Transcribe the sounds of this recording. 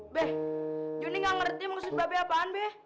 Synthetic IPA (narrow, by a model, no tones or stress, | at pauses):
bɛhd͡ʒuniŋɡaŋərt̪imaksʊt̪̚babeapaːnbɛh